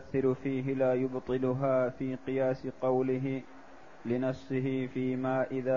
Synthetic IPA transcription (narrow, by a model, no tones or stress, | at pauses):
θːɪɾʊfiːɦɪlaːjʊbt̪ˤɨlʊɦaːfiːqɨjaːsɪqɑwlɪɦɪ | lɪnɑfsɪɦɪfiːmaːʔɪðaː